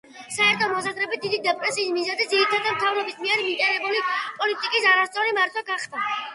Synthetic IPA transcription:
saɛɾt̪ʰɔmɔs̬azɾɛbit̪̚d̪id̪id̪ɛpʼɾɛsiːsmizɛzid̪ziɾit̪ʰad̪amt̪ʰavɾɔbismiɛɾimik̪ʼɛɾɛbulipʼɔlit̪ʼikʼisaɾast̪sʼɔɾimaɾt̪ʰwɛɡaχd̪a

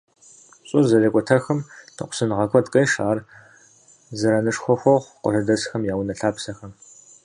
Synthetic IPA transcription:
ɕʼʊzɐɮɐkʷʼɔtʰɐxɐmtʰɨ̰qʷʊ̥sɨnʁɐkʷʼɔdqʼejʂaːr | zɐɾɐnɨʂxʷɔxʷɔʁʷqʷɔ̰ɬɨdɐsxɐmjaːwnɐɬaːpsɐxɐm

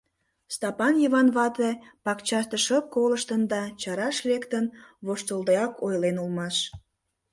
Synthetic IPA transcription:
st̪ɑpɑnjəβɑnβɑt̪epɑkt͡ɕɑʃt̪əʃəp̚koləʃt̪ənd̪ɑt͡ɕɑɾɑʃlekt̪ənβoʃt̪əld̪eɑkʰojlenulmɑʃ

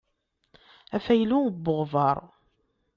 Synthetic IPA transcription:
æfæjlubːəʁvɑɾˤ

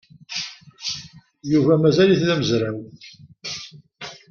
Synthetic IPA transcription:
juvæmæzæliθlæməzɾaw

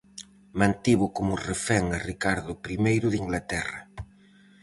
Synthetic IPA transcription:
mãnt̪iβʊkomʊrefɛŋarikaɾðʊpɾimejɾʊðiŋɡlat̪ɛrɐ̰

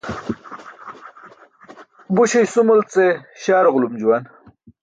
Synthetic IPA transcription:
buɕejsumult͡seɕaːɾʁlumd͡ʑuwan

